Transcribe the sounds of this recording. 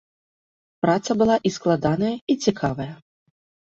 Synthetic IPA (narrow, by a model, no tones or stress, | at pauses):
pɾat̪sɐbɨlˠaʔisklˠad̪anɐjɐit͡sʲikʰavɐjɐ